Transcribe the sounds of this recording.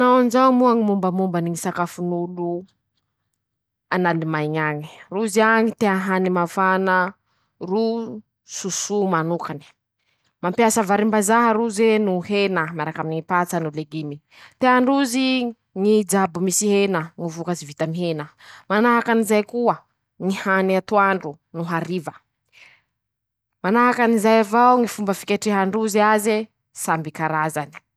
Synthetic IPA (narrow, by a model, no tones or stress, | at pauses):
nawanzamuaŋimumbəmumbaniŋisakafunulu | ananimajɲaɲi̥ruziaŋit̪eaɦanimafanə | ru | susumanukani̥ | mampjasəvaɾimbazaɦəɾuzenuɦenəmaɾakaminiŋipat͡sanuleɡimi | t̪eaɳɖ͡ʐuzi | ŋid͡ʒabumisiɦenəŋivukazivit̪amiɦenəmanaɦakanizajkuə | ŋihaniat̪uaɳɖ͡ʐu | nuɦaɾivə | manaɦakanizajavawŋifumbəfi̥kʲeʈ͡ʂiɦaɳɖ͡ʐuziaze | sambikaɾazani̥